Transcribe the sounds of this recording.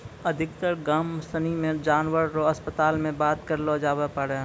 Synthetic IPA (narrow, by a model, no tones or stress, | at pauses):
ɐd̪ʱɪkt̪əɽɡaːmsənimẽd͡ʒaːnʋəɾɾoɐspət̪aːlmẽbaːt̪kəɾlod͡ʒaːbepəɽe